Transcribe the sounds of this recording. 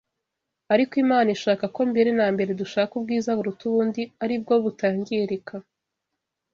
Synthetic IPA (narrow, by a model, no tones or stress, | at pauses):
aɾikoimaːnaiʃaːkako̞mbeɾe̞naːmbe̞ɾe̞duʃaːkub̚ɡiːzaβuɾutuːndiaɾib̚ɡo̞βutaːɲɡiɾekʰa